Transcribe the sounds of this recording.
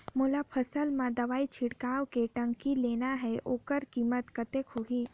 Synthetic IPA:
moːlapʰəsəlmãd̪əʋaːit͡ʃʰɪɽkaːwkeʈə̃ŋkileːnaɦɛʔoːkəɾkiːmət̪kət̪ekʰoɦi

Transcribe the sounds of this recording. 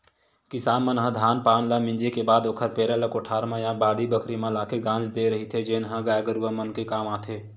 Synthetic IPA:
kɪsaːnmə̃nɦə̃d̪ʱaːnpaːnlamɪ̃nd͡ʒekebaːd̪oːkʰəɾpeːɾələkoːʈʰaːɾmãjãbaːɽibəkʰɾimãlaːkʰeɡãːnd͡ʒd̪eɾəɦit̪ʰed͡ʒeːnɦə̃ɡaːjɡəɾuʋəmənkekaːmaːt̪ʰeː

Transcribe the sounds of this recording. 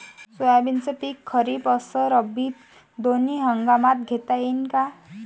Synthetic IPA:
suabint͡səpikʰːəɾipəsəɾəbi | d̪oniɦəŋɡamat̪ɡʱet̪ainka

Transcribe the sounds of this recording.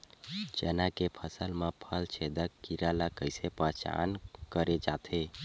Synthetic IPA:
d͡ʒḛnakepʰəsəlmepʰəlt͡ʃʰed̪əkːiɾalakəɪsepət͡ʃa̰nkəɾed͡ʒat̪ʰe

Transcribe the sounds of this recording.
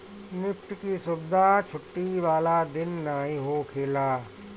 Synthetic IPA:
nɪfʈkisʊbd̪ʱat͡ʃʰʊʈːiʋaːlad̪ɪnːaːɦĩɦoːkʰeːlaː

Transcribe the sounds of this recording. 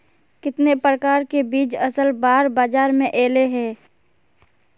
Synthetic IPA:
kɪt̪nepɾəkaːɾkebiːt͡ʃɐsəlbaːɾbaːd͡ʒaːɾmẽʔeːleɦɛː

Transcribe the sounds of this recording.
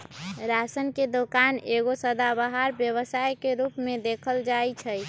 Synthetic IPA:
ɾasənked̪okaneɡosəd̪abaɦaɾbjəβəsajkeɾupmed̪ekʰəld͡ʒajt͡ʃʰəj

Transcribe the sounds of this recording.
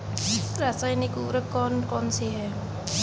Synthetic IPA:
ɾasaːɪnɪkuːʋɾəkːɔːnkɔːnseɦɛː

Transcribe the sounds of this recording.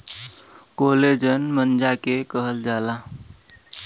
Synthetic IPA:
koled͡ʒənmənd͡ʒakekəɦəld͡ʒala

